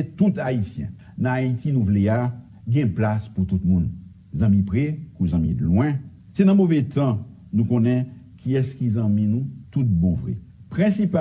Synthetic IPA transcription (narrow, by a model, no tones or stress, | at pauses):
et̪ut̪aisjɛ̰̃ | nãait̪inũvlea | ɡɛ̃plasput̪ut̪mũn | zɑ̃mĩpʁɛkuzɑ̃mḭ̃lwɛ̃ | senãmovɛt̪ɑ̃ | nũkɔ̃nɛ̃ | kʰiɛskizɑ̃mĩnũt̪ut̪̚bɔ̃vʁɛ̰ | pʁɛ̃sipa